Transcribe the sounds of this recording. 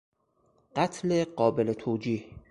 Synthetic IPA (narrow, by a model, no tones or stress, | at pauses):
ɢ̥at̪ʰleɢɒːbelet̪ʰoːd͡ʒiːh